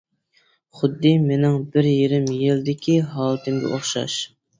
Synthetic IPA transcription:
χʊd̪ːɨmenɪŋbɪɾjeɾɪmjild̪ɪkʲʰiɦɑːlˠɨt̪ʰɪmɡʲɛ̰ʔoχʃɑ̰ʃ

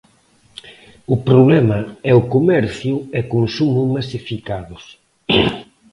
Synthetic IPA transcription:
ʊpɾoβlɛmaɛʊkomɛɾθjʊɛkonsumʊmasifikaðʊs

